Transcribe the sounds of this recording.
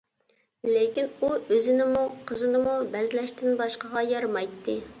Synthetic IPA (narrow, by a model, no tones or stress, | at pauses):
lekʲinuøzɪnɪmuqʰəzɨnɨmubɛzɪlɛʃt̪ɪnbɑʃqəʁɑjɑɾmɑjt̪ʰːɨ